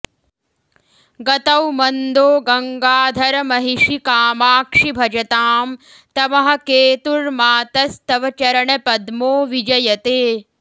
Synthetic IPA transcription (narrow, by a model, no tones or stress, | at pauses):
ɡɐt̪ɐwmɐnd̪oːɡɐŋɡaːd̪ʱɐɾɐmɐɦiʃikaːmaːkʂibʱɐd͡ʒɐt̪aːm | t̪ɐmɐɦɐ̆keːt̪uɾmaːt̪ɐst̪ɐʋɐt͡ʃɐɾɐɳɐpɐd̪moːʋid͡ʒɐjɐt̪eː